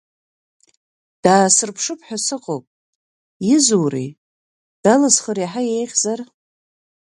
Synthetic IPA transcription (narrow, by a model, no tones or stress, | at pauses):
d̥aːsɨrpʰʂɨpʰħʷᶣasɨqʼowpʼ | jɪzuwrḭ | d̥alɨzχəɾiħajejʁʲzar